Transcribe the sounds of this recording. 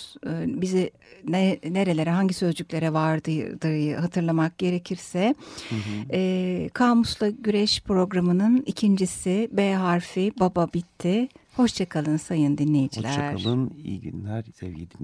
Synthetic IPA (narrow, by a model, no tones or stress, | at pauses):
bizi | nne̞ɾe̞lʲe̞ɾɛɦaɲɟisø̞zd͡ʒyclʲe̞ɾɛvaɾd̪ɯd̪ɯɾjɯhat̪ʰɯɾlˠamak̚ɟ̥e̞ɾe̞cʰiɾsɛ | kʰaːmuslˠaɟyɾɛʃpɾo̞ɡɾamɯnɯnicʰind͡ʒisibeːɦaɾfibababit̪ʰːiho̞ʃt͡ʃʰakʰalˠɯnsajɯnd̪inlːʲe̞jid͡ʒilʲæɾaɯnḭɟy̰nlʲæɾɛvjed̪i